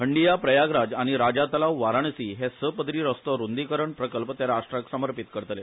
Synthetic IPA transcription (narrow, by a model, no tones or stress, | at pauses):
ɦəɳɖijapɾəjaɡɾad͡zaɽ̃iɾad͡ʑat̪əlaʋʋaɾaɳsiɦesəpəd̪ɾiːɾəst̪ɔɾund̪ikəɾəɳpɾəkəlpət̪alaʂʈɾaksəməɾpit̪kəɾt̪le